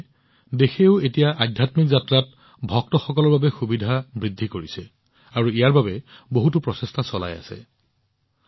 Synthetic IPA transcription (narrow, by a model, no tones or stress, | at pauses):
dexeʊetijaʔadʱjatmikzatɹat̚ | bʱɔk̚tɔxɔkɔlɔɹbabɛxubidʱabɹidʱːikoɹisɛ | aɹuijaɹbabɛboɦut̬upɹɔsestʰasɔla̰ja̰sɛ̰